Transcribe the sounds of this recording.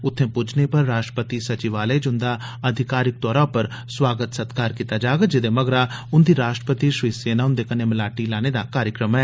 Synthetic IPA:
ʊt̪ʰːẽːpʊd͡ʒneːpəɾːaːʃʈɾəpət̪isət͡ʃɪʋaːled͡ʒʊnd̪aː | əd̪ʱɪkaːɾɪk̚t̪ɔːɾaːpəɾ | swaːɡət̪sət̪kaːɾkiːt̪aːd͡ʒaːɡad͡ʒɪd̪eːməɡɾaːʊnd̪iːɾaːʃʈɾə̥pət̪iːʃiseːnaːʊnd̪eːkəneːməlaːʈiːlaːneːd̪a̰ːkaːɾjəkɾəmɛː

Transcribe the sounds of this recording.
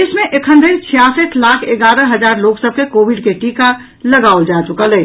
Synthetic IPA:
ɪsmẽʔekʰənd̪int͡ʃʰijaːsət̪ʰlaːkʰeɡaːɾə̃ɦɐzaːɾloːksəb̚kekoːʋɪɖkeʈiːka | lɐɡaːold͡ʒaːt͡ʃʊkəleː

